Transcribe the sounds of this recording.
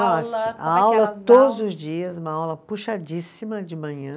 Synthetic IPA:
ɔsɐɐawlɐt̪od̪ʊzʊzd͡ʒiɐzũmɐawlɐpuʃad͡ʒisimɐd͡ʒɪmɐ̃ɲɐ̃

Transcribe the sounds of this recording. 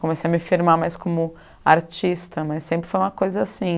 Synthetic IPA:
kõmesejɐmɪfiɾmamajskõmʊ | aɾt͡ʃist̪ɐmɐjsːẽpɾɪfojũmɐkojzɐasĩ

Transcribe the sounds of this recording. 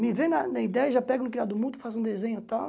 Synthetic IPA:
mɪvẽnɐnɐid̪ɛjɐʒapɛɡʊ̃kɾiad̪ʊmũd̪ʊ̥fazũd̪ezẽɲʊt̪aw

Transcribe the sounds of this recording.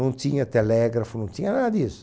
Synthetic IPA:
nõnt̪iɲɐt̪elɛɡɾafʊnõñt̪iɲɐnad̪is

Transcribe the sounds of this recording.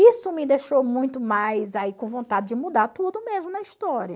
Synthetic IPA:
isʊmɪd̪eʃomũj̃t̪ʊmajzaikõvõnt̪ad͡ʒɪd͡ʒɪmud̪aɾt̪ud̪ʊmezmʊnɐist̪ɔɾjɐ

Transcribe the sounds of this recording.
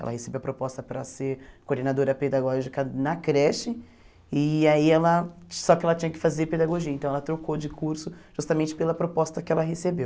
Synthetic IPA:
ɛ̰lɐ̰hesebewɐpɾopɔst̪ɐpɾɐseɾkoɾd̪enad̪oɾɐped̪aɡɔʒikɐnɐkɾɛʃɪ | ɪaiɛlɐsɔkɪɛlɐt͡ʃĩɲɐkɪ̥fazeɾped̪aɡoʒiɐẽt̪ɐ̃w̃ɛlɐt̪ɾokod͡ʒɪkuɾsʊʒ̥ust̪ɐmẽnt͡ʃɪ̥pelɐpɾopɔst̪ɐkɪɛlɐɦesebew

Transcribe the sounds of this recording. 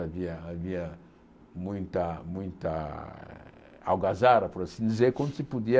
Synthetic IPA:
aviɐːviɐ | mũj̃t̪ɐmũj̃t̪ɐ̰ | a̰wɡazaɾɐpuɾasĩnd̪izeɾkwõnd̪ʊsipud̪iɐ

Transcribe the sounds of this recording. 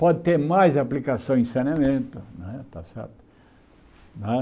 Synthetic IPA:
pɔd̪ɪt̪eɾmajzaplikasɐ̃w̃ĩsenamẽnt̪ʊñɛt̪asɛ̰ɾt̪ʊ̥ | ñɛ

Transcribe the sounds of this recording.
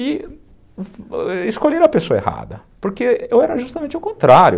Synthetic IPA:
ɪ | ɪskoʎeɾɐpesoɐeha̰d̪ɐ | poɾkeewɛɾɐʒust̪ɐmẽnt͡ʃawkõnt̪ɾaɾjʊ

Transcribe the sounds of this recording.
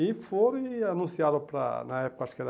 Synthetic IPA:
ifoɾianũsjaɾopɾa̰naɛpo̥kaskɛɾ

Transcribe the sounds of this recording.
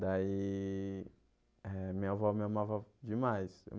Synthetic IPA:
d̪ai | ɛmiavɔmiɐmavɐd͡ʒɪmajsḛ

